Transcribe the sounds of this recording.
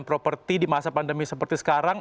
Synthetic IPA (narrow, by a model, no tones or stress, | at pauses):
npɾopərt̪idimasapandəmisəpərt̪isə̥kaɾaŋ